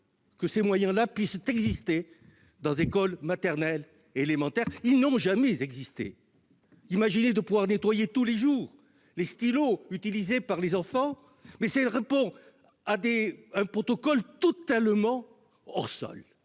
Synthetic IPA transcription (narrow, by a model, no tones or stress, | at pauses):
kəsemwajɛ̃lapɥist̪ɛɡzist̪e | d̪ɑ̃zekɔlmat̪ɛʁnɛl | eelemɑ̃t̪ɛʁilnɔ̃ʒamɛzɛɡzist̪ḛ | imaʒined̪əpuvwaʁnet̪wajet̪uleʒuʁ | lest̪iloyt̪ilizepaʁlezɑ̃fɑ̃ | mɛsɛʁepɔ̃ | ad̪eɛ̃pχɔt̪ɔkɔlt̪ɔt̪almɑ̃ | ɔ̰ʁsɔ̰l